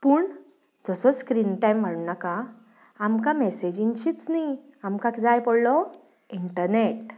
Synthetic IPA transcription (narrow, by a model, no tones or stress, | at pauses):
puːɳ | d͡zəsɔskɾinʈajm̤ːəɽunaka | amkamesed͡ʑĩnt͡ɕiːt͡sniamkakd͡zajpɔɽlɔ | iɳʈəɾneʈ